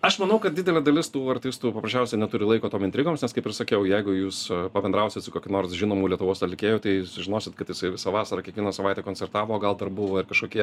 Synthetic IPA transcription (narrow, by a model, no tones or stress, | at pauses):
ɐʃmɐnɐʊkɐt̪dʲɪdʲɛlʲed̪ɐlʲɪst̪uːɐrt̪ʲɪst̪uːpɐpɾɐʃʲt͡ʃʲɛʊsʲɛɪnʲɛt̪ʊɾʲɪlˠɐɪkoːt̪oːmɪnt̪ʲɾʲɪɡoːmsnʲɛskɐɪpɪrsɐkʲɛʊjɛɪɡʊjuːspɐbʲɛnd̪ɾɐʊsʲɪt̪sʊkoːkʲɪnoːrsʒʲɪnoːmuːlʲiɛt̪ʊʋoːsɐt̪lʲɪkʲeːjoːt̪ɐɪsʊʒʲɪnoːsʲɪt̪kɐt̪jɪsɐɪʋʲɪsɐʋɑːsɐɾɐkʲiɛkʋʲiɛnɐsɐʋɐɪtʲɛkoːnʲt͡sʲɛrt̪ɑːʋoːɡɐlˠd̪ɐrbʊʋoːɪrkɐʃkoːkʲiɛ